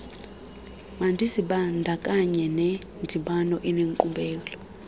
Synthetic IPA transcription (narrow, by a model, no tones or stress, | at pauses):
mandʱisiɓandʱakʼaɲɛnɛ | ndʱiɓanɔʔineŋkʼuɓɛːlɔ